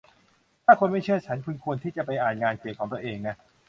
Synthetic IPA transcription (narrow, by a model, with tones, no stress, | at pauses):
t̪ʰaː˥˩kʰo˧nma˥˩jt͡ɕʰɯ˥˩ɐt͡ɕʰa˦˥nkʰu˧nkʰu˧ənt̪ʰiː˥˩t͡ɕa˨˩pa˧jʔaː˨˩nŋaː˧nkeː˨˩kʰɔː˩˦ŋt̪u˧˩əʔeː˧ŋna˦˥